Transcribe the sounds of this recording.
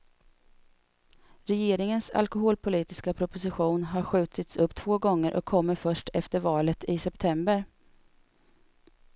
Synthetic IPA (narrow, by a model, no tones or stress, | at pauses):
ɾɛjeːɾɪŋənsa̰lkʊɦoːlpʰʊliːt̪ɪskapʰɾʊpʊs̬ɪɧuːnɦaɾɧʉ̟ːt̪ɪt̪sɵpːt̪ʰv̥oːɡɔŋːəɾʔɔ̰kʰːɔmːəɾfœʂʈɛft̪əɾvɑːlət̪ʰɪsɛpt̪ʰɛmbəɾ